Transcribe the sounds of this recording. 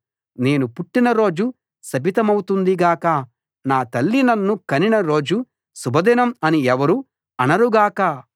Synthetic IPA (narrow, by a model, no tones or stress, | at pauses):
ne̞ːnupuʈːinɐɾo̞ːd͡ʒu | sɐbʱit̪ɐmɐwut̪und̪iɡaːkɐ | naːt̪ɐlːinɐnːukɐninɐɾo̞ːd͡ʒu | subʱɐd̪inɐmɐniɛʋɐɾu | ɐnɐɾuɡaːkɐ